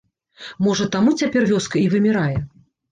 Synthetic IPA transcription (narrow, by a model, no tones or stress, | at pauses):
mɔʐɐt̪amut͡sʲapʲɛrvʲɔskɐivɨmʲɪɾajɛ